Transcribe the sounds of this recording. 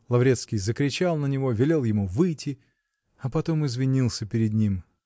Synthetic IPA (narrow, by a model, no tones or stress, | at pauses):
lˠɐvɾʲe̞t̪skʲɪjzəkɾʲɪt͡ɕalˠnənʲɪvo̞vʲɪlʲe̞lˠjɪmuvɨjtʲʰɪ | ɐpɐt̪o̞mɨzvʲɪnʲilˠsʲəpʲɪɾʲɪd̪nʲim